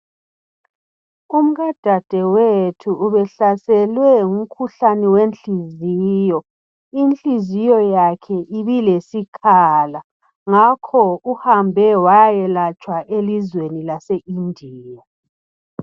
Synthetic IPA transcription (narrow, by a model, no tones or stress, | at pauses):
um̩ɣad̥ʱad̥ʱɛwetʰuːβɛɬasɛlwɛŋum̩kʰuɬanɛwent͡ɬiziːjɔ | int͡ɬizijɔjakʰɛʔiβilesikʰala | ŋakʰɔuhambʱɛwajɛlat͡ʃʼwaʔelizwenilaseʔindʱiːja